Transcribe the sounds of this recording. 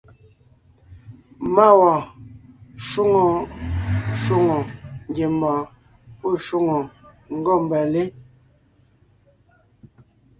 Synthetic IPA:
ma˦˨wɔ˨ | ʃu˦ŋo˨ | ʃu˦ŋɔ˨ŋ˦ɡe˨mbɔ̃˨ | po˦˨ʃu˦ŋɔ˨ | ŋ̩˦ɡɔ˦˨m˨bɛ˨le˦

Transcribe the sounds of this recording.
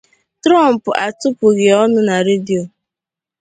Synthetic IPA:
tɾɔ˦˨m̩˨pʊ˨ʔa˨tʊ˦pʊ˨ɣe˨ɔ˦nʊ˦na˨ɾe˦di˨o˨

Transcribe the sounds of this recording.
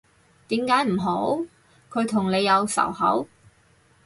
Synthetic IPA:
t̪iː˨˥mkaː˨˥jm̩˨˩ɦo˨˥w | kʰɵ˨˧ɥt̪ʰʊ˨˩ŋne˨˧jːɐ˨˧wsɐ̰˨˩whɐ̰˨˥w

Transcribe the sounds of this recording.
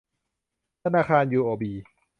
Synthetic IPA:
t̪ʰa˧naː˧˩kʰaː˧njuː˧˩ʔoː˧˩biː˨˧

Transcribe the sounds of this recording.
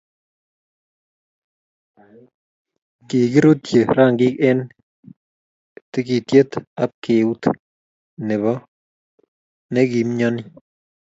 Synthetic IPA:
kɪ˨ɡi˦ɾo˦t̪je˨ɾa˦˨ŋɡɪ˦kɛ˦n | t̪e˦ki˨t̪je˦t̪a˦p̚ke˨u˦t̪ | nɛ˨βɔ˦ | nɛ˦ɡi˨mɲɔ˦nɪ˦

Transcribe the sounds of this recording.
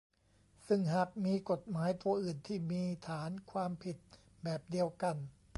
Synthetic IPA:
sɯ˥˩ŋɦa˨˩k̚miː˧ko˨˩t̪̚maː˩˦jt̪u˧ɐʔɯː˨˩nt̪ʰiː˥˩miː˧t̪ʰaː˩˦nkʰwaː˧mpʰi˨˩t̪̚ | bɛː˨˩p̚di˧əwka˧n

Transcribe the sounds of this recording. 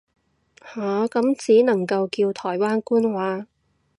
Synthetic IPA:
haː˨kɐ˨˥mt͡siː˨˥nɐ˨˩ŋkɐ˧wkiː˧wt̪ʰɔː˨˩jwaː˥nkuː˥nwaː˨˥

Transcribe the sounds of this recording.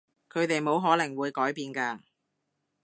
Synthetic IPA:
kʰɵ˨˧ɥt̪e˨jmo˨˧wɦɔː˨˥lɐ˨˩ŋwuː˨˧jkɔː˨˥jpiː˨˧nkaː˧

